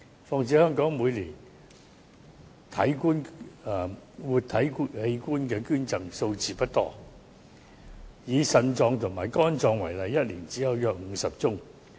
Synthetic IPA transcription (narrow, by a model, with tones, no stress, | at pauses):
fɔː˧ŋt͡siː˨˥hœː˥ŋkɔː˨˥ŋmuː˨˧jliː˨˩n | t̪ʰɐ˨˥jkuː˥nː˨˩ | wuː˨t̚t̪ʰɐ˨˥jkhe˧jkuː˥nkɛː˧kyː˥nt͡sɐ˨ŋso˧wt͡siː˨pɐ˥t̚t̪ɔ̰ː˥ | jiː˨˧sɐ˧nt͡sɔː˧ŋt̪ʰʊ˨˩ŋmaː˨˩jkɔː˥nt͡sɔː˧ŋwɐ˨˩jlɐ˨jːɐ˥t̚liː˨˩nt͡si˨˥hɐ˨˧wjœː˧k̚ŋ̩˨˧˥sɐ˨p̚t͡sʊ˥ŋ